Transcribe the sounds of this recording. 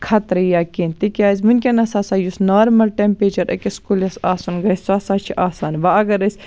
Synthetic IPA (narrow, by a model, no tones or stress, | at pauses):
kʰɐt̪ɾɐjaːkint̪ikʲaːzʲmunʲkʲɐnɐsaːsaːjusnaːɾmɐlʈempeːt͡ʃɐɾʔɐ̰kʲiskulɐsaːsunɡɐsʲsaːsaːt͡ʃʰiʔaːsaːnʋaɐɡɐɾɐsʲ